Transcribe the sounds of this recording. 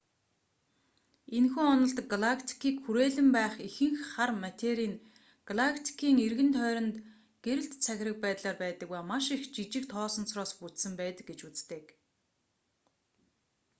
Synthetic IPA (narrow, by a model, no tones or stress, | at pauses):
enxuːɔnɞ̆ɬt̪ɡaɮakʰt̪ʰi̥kʰiːkxuɾeːɮɘ̆mpæːχixɘ̆ŋxχarmat̪ʲʰeɾiːŋ | ɡ̥aɮakʰt̪ʰi̥kʰiːŋerɣɘ̆nt̪ʰœːɾʲɞ̆nt̪ | ɡ̥eɾɘ̆ɬt̪t͡sʰæxʲɪ̆rə̆k̚pæːt̪ɮaːrpæːt̪ə̆kujmaʃixt͡ɕit͡ɕɪ̆kt̪ʰɔːsɞ̆nt͡srɔːsput͡s̪sɘ̆mpæːt̪ə̆k̚ɡet͡ɕut͡st̪ĕːk